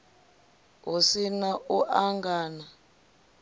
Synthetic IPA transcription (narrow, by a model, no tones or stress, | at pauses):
osinaʔuʔaŋɡaːna